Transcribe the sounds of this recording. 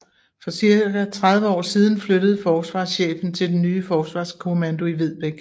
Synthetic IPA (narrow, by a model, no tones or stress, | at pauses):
fɒ̽siɐɡ̥æt͡sʰʁɑ̈ð̞ˠʋəɒ̰ːsiːð̞ˠn̩fløɾ̥əð̞̩ˠfɒːsʋɑ̰̈ːsɕḛːfn̩t͡sʰe̝ld̥enːyːfɒːsʋɑ̈skʰo̝mænd̥o̝iʋe̝ð̞̰ˠb̥eɡ̥